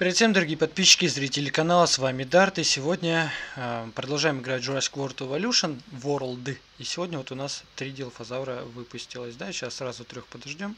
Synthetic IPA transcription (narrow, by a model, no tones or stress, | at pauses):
pʲɪɾʲɪd̪fʲsʲemd̪əɾɐɡʲijəpɐt̪̚pʲiɕːɪ̥kʲɪzɾʲitʲɪlʲɪkɐnalˠəsvamʲɪd̪art̪ɨsʲɪvo̞dʲnʲə | pɾəd̪ɐlˠʐajɪmɨɡɾat̚ʲʐʊɾasʲkvort̪ʊɪvɐlʲuʂənvoɾlˠd̪ɨ | isʲɪvo̞dʲnʲəvot̪ʊnast̪ɾʲidʲelˠfɐzavɾəvɨpʊsʲtʲɪlˠəsʲd̪aɕasːrazʊt̪ɾʲoxpəd̪ɐʐdʲom